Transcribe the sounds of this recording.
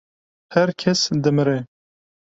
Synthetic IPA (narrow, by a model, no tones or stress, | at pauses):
hɛɾkʰɛsd̪ɨmɨɾɛ